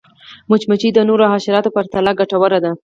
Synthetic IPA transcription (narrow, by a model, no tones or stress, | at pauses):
mʊt͡ʃmat͡ʃid̪ənoɾoɦɑʃɪɾɑt̪opaɾt̪alɑɡaʈawəɾad̪a